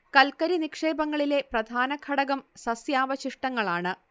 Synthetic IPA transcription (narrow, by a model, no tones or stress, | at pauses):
kɐlkɐɾinikʂe̞ːbɐŋːɐɭile̞prɐd̪ʱaːnɐkʰɐɽɐɣɐmsɐsjaːʋɐɕiʂʈɐŋːɐɭaːɳɨ